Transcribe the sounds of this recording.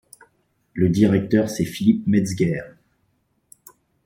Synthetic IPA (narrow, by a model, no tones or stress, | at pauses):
ləd̪iʁɛk̚t̪œʁsɛfilipmɛzɡʲɛːʁ